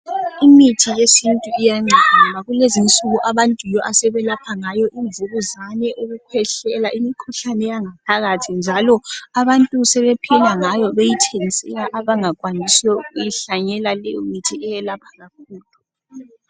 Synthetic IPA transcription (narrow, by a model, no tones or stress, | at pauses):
imitʰijesintʼuijaŋ͡ǀʱaamaɣulezint͡sʼuɣuʔaβantʼujɔʔasɛβɛlapʰaŋajɔʔiɱvuɣuzanɛʔuɣukʰɛɬɛlaʔimikʰuɬanɛjaŋap̚ʰaɣatʰind͡ʒʱalɔaβantʼusɛβɛpʰɛlaŋajɔβejitʰeŋisɛlaʔaβaŋakʼwanisɛuɣujiɬaɲɛlalɛjɔmitʰiɛjɛlapʰḁɣak̚ʰuːlu